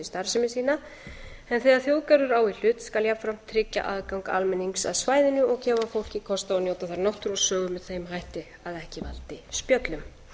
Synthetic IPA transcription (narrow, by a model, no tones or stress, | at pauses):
ɪst̪aɾ̥sɪmɪsiːna | ɛnθɛːðaɾθjoːwkaɾʏɾawil̥ʏːt̪skaljap̪fɾam̥t̪ʰɾɪcːa̰ʔaðkawŋka̰lmɛniŋksa̰ðsvaːjðɪnʏɔɣcʰɛːvafowl̥cɪkʰɔst̪aɔnjowt̪aθaɾnɔht̪ʏɾɔɣsœːɣʏmɛðθejmɦajht̪ɪ | aðɛhcɪva̰lt̪ɪspjœt̪lʏm